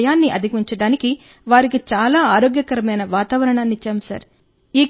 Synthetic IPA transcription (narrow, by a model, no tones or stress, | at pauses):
jaːnːiʔɐd̪ʱikiɲt͡ʃɐɽaːniki | ʋaːɾikit͡ʃaːlaːaːɾoːɡjɐkɐɾɐmɐjnɐʋaːt̪aːʋɐɾɐɳaːnːit͡ʃːaːmsɐ̰ɾ | iː